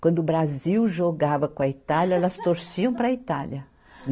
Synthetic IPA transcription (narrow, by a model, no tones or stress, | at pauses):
kwɐ̃nd̪ʊubɾaziwʒoɡavɐkõɐit̪aljɐɛlɐst̪oɾsiɐ̃w̃pɾɐit̪aljɐ